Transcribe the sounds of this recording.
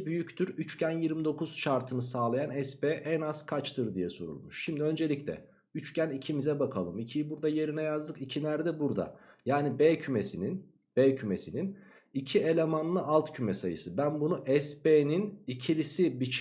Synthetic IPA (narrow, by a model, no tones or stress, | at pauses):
byjyct̪ʰyɾyt͡ʃcʰænjiɾmid̪o̞kʰuz̥ʃaɾt̪ʰɯnɯsaːlˠajanɛspeːʔɛnaz̥kʰat͡ʃt̪ʰɯɾd̪ijɛsoɾṵlˠmuʃʃimd̪iø̞nd͡ʒe̞lʲiclʲɛ̰ | yt͡ʃcʰænicʰimizɛbakʰalˠɯmicʰijibuɾd̪aje̞ɾinɛjazd̪ɯkicʰinæɾd̪ɛbuɾd̪a̰jaːnibeːcʰyme̞sinin | b̥eːcʰyme̞sinin | icʰie̞lʲe̞manlˠɯʔalˠt̪cʰymɛsajɯ̰sɯbænbunuʔɛspeːninicʰilʲisibit͡ʃʰ